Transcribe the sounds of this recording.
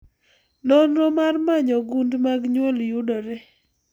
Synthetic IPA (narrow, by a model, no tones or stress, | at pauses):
nɔnɾɔmarmaɲɔɡundmaɡɲwɛljudɔɾɛ